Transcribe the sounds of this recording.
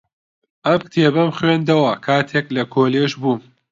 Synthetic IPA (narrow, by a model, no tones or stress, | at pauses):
ʔɐmkt̪ʰeːbɐmxwend̪ɐwɐkʰaːt̪ʰeklɐkʰoːleːʃbuː